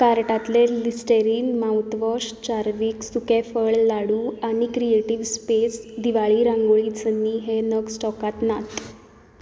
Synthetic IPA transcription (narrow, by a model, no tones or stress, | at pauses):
kaɾʈat̪lelisʈeɾiːnmawt̪ʋəɕt͡ɕaɾʋiːksukefəɭlaɽuːaɽ̃ikɾieʈiʋspesd̪iʋaɭiːɾãŋɡoɭiːd͡zənːiɦenəɡsʈɔkat̪nat̪